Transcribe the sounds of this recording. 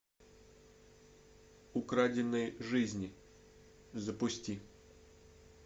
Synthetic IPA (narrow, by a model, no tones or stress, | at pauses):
ʊkɾadʲɪnəjʐɨzʲnʲɪ | zəpʊsʲtʲi